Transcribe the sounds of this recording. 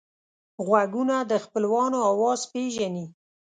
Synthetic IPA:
ɣwaɡunad̪əxpəlwɑnoɑwɑzpeʒani

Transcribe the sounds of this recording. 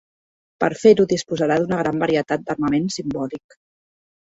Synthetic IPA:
pə̰ɾfeɾuðispuzəɾaðunəɣ̞ɾambəɾiət̪at̪̚d̪ərməmensimbɔlik

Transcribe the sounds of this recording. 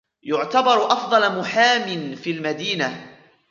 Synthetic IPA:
jʊʕt̪abɑɾˤʔɑfd̪ˤɑlmʊħaːmɪnfiːlmad̪iːna

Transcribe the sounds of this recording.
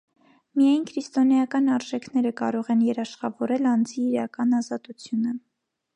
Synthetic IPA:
mijɑjnkʰɾist̪ɔnɑjɑkɑn̪ɑɾʒɛkʰnɛɾəkɑ̰ɾɔʁɛnjɛɾɑʃχɑvɔɾɛlɑnd͡ziːɾɑkɑnɑzɑt̪ut͡sʰjunə

